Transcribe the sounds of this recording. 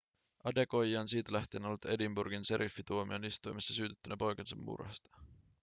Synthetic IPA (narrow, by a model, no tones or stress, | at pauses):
ɑde̞ko̞jiɑnsiːt̪ælæht̪enolut̪e̞dimburɡinse̞ɾʔifːit̪uomionist̪ujmisːæsyːt̪et̪ːynæpo̞jkɑnsɑ̰mːṵrhɑ̰st̪ɑ̥